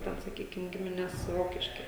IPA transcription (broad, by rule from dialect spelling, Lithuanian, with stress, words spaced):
ˈtʲɛn sɐˈkʲiːkʲɪm ˈɡʲɪmʲɪnʲɛs ˈroːkʲɪʃʲkʲɪ